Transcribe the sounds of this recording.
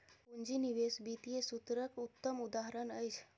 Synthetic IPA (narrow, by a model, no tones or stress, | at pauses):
pund͡ʒiniʋesbit̪iesut̪ɾəkut̪ːəmud̪aɦɾənəjt͡ʃʰ